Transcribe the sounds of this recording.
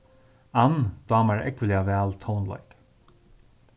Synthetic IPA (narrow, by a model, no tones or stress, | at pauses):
and̪̥ɑːmaɹɛ̰kʋəliavæːlt̪ʰɔʊnla̰ɪk